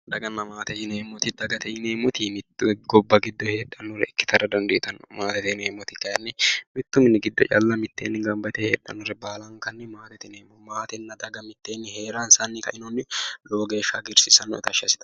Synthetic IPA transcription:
d̪ɐɡɐnːɐmaːt̪ɛjɪneːmːɔt̪ɪd̪ɐɡɐt̪ʰɛjɪneːmɔt̪ʰimɪt̪ːɡɔbːɐɡɪd̪ːɔheːᶑɐnːɔrɛɪkːɪ̥t̪ʰɐɾɐd̪ɐnd̪ɛʔt̪ɐnːɔmaːt̪ɛt̪ɛneːmːɔt̪ɪkɐjɐnːɪmɪt̪ːʊmɪnɪɡɪd̪ːɔ̰t͡ʃʼɐ̰lːɐmɪt̪ːeːnːɪɡɐmbɐt̪ɛhḛːᶑːɐ̰nːɔɾɛbaːlɐŋkɐnːɛmaːt̪ɛt̪ɪneːmɔmaːt̪ɛnːɐd̪ɐɡɐmɪt̪ːeːnːɪhe̞ːɾaːnsɐnːɪkɐ̰ʔɪnɔnːɪloːɡe̞ːʃaɡɪɾsɪsɐnːɔ̰ɛ̰t̪ɐʃɐsɪ̥t̪ɐ

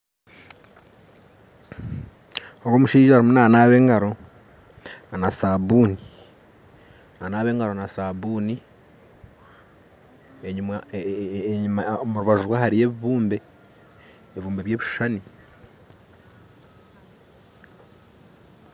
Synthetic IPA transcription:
owoːmuʃiːʒoaɾimunaːnaːβe̞ːŋɡaɾo̞ | nasaːbuːni | nanaːβe̞ːŋɡaɾo̞nasabuːni | eɲuma | ɲumamuɾuβaʒuɾwahaɾije̞βiβuːmbe̞ | eβiβuːmbeβje̞ːβiʃʃani

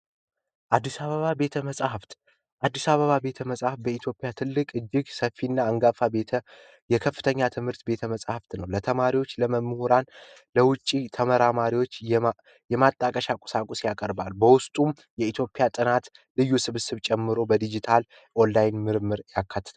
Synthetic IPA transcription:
ʔad̪ːisaβəβabe̞t̪ʰəməsʼhəft̪ | ʔad̪ːisaβəβabe̞t̪ʰəməsʼahfbəit̪ʰjo̞pʼjat̪ʰɨlːɨkʼɨd͡ʒːɪɡsəfːinːaɨŋɡafabe̞t̪ʰə | jɛkʰəfːɨ̥t̪ʰəɲːat̪ʰɨmhɨɾt̪be̞t̪ʰəməsʼhəft̪nəwlət̪ʰəmaɾiwo̞t͡ʃːləməmːhuɾan | ləwʊt͡ʃʼːit̪ʰəməɾamaɾiwo̞t͡ʃː | jɛmat̪ʼːakʼəʃakʼʊ̥sakʼusjakʼəɾbalbəwʊst̪ʼum | jɛit̪ʰjo̞pʼɪjat̪ʼɨnat̪ | lɨjːusɨβsɨβt͡ʃʼɛmːɨɾo̞bəd̪id͡ʒit̪ʰal | ʔonlajnmɨɾmːɨɾjakːat̪ːɨ̥t̪ʰa

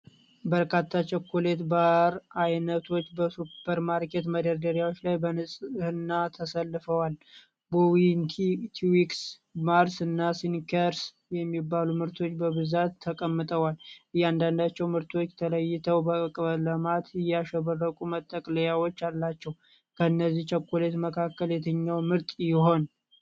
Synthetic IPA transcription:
bəɾkʰat̪ʰːat͡ʃɛkːolet̪baɾajnət̪ʰo̞t͡ʃːbəsupːəɾmaɾket̪məd̪əɾd̪əɾjawo̞t͡ʃːlajbənɨsʼhɨnːat̪ʰəsəlːɨfəwal | bəwintʰit̪ʰwiks | maɾsɨnːasinkʰəɾs | jɛmːibːalumɨɾt̪ʰo̞t͡ʃːbəβɨzat̪ʰːəkʼəmːɨt̪ʼəwalʔɨjand̪and̪at͡ʃːɛwmɨɾt̪ʰo̞t͡ʃːt̪ʰələjːɪt̪ʰəwbəɨkʼβələmat̪ɪjɛaʃɛβərːəkʼumət̪ʼːəkʼləjawot͡ʃːalːat͡ʃːɛw | kʰəɨnːəzːiht͡ʃʰəkːolet̪məkʰakːəljɛt̪ʰəɲːawmɨɾt̪ʼjɪɦo̞n

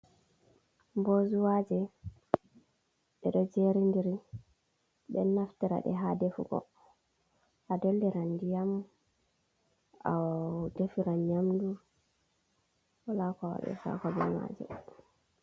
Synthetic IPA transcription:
mbozuwad͡ʒɛ | ɓɛɗɔd͡ʒeɾindiɾi | ɓɛnaftiɾa̰ɗɛ̰ɦadefuɡɔ̰ | ʔadolːiɾandijam | adefiɾanɲamdu | walakawa̰ɗɛ̰sa̰kɔbɛma̰ːd͡ʒɛ̰

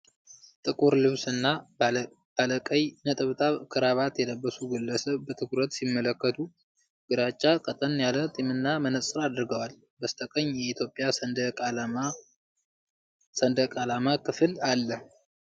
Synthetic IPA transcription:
t̪ʼɨkʼuɾlɨβsɨnːa | b̥aləkʼəjnət̪ʼɨβt̪ʰʼaβkʰɨɾaβat̪jɛləbːəsuɡəlːəsəbət̪ʰɨkuɾət̪simːələkːət̪ʰu | ɡ̥ɨɾat͡ʃʼːakʼət̪ʼənjalət̪ʼimɨnːamənəsʼɨɾad̪ɾɨɡəwal | bəst̪ʰʼəkʼəɲːjɛit̪ʰjo̞pʼːjasd̪ʼ | sənd̪əkʼalamakʰɨfɨlalːəh

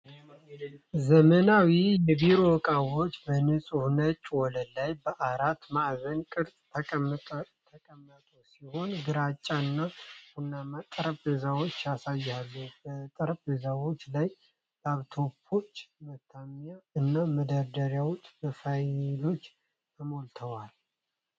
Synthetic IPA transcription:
zəmənawijɛbiɾo̞kʼawo̞t͡ʃːbənɨsʼuhnət͡ʃʼːwɔləlːajbəʔaɾat̪maʔzənkʼɨɾsʼt̪ʰə | t̪ʰəkʼəmːət̪ʼosiho̞nɡɨɾat͡ʃʼːaɨnːahunːamat̪ʼəɾpʼezawot͡ʃːasajːalːubət̪ʼəɾpʼezawo̞t͡ʃːlaj | baβt̪ʰo̞pʰːo̞t͡ʃːmət̪ʰːamjaɨnːaməd̪əɾd̪əɾjawot͡ʃːʼbəfajlo̞t͡ʃː | t̪ʰəmolt̪ʰəwal

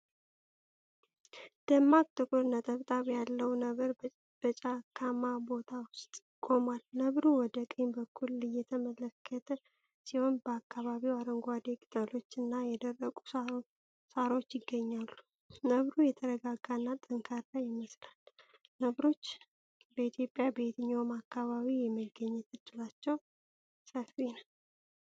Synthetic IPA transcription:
d̪̥əmːak̚t̪ʼːɨkʰuɾnət̪ʼəβt̪ʼaβjalːəwnəəɾ | b̥ət͡ʃʼakʰamabo̞t̪ʰawʊst̪ʼɪkʰʼo̞malnəβɾuwɔd̪əkʼɨɲbəkʰːulːɨjːɛt̪ʰəmələkʰːət̪ʰə | siho̞nbəakːaβaβiwaɾəŋɡʷad̪ekʼɨt̪ʼəlo̞t͡ʃːɨnːajɛd̪ərːəkʼu | saɾo̞t͡ʃːjɪɡːəɲːalːu | nəβɾujɛt̪ʰəɾəɡaɡanːat̪ʼəŋkʰaɾlajɪməslal | nəβɾo̞t͡ʃː | bəit̪ʰjo̞pʼːjabeit̪ʰɨɲːomakːaβaβijɛmːəɡːəɲːɛt̪ʰɨd͡ʒɨlat͡ʃːɛw | səfinəw

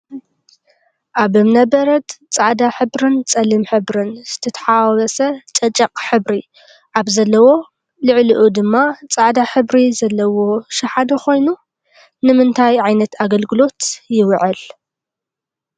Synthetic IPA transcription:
ʔaβɨmnɐbɐɾɐt̪t͡sʼaʕd̪aħɨβɾɨnt͡sʼɐlɨmħɨβɾɨnz̥ɨt̪ʰɐt̪ʰɐ̥ħaβɐsɐt͡ʃʼɐt͡ʃʼːɐqʼħɨβɾi | ʔaβzɐlːɐwo̞ | lɨʕlɨʔud̪ɨmːat͡sʼaʕd̪aħɨβɾizɐlːɐwo̞ʃɐħad̪ɐxʰo̞jnu | nɨmɨnt̪ʰajʕajnɐt̪aɡɐlɡɨlo̞t̪jɪwʕɨl

